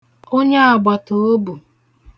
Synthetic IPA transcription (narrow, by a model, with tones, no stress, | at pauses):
o˦ɲe˦a˨ɡ͡ba˨to˨o˦bu˨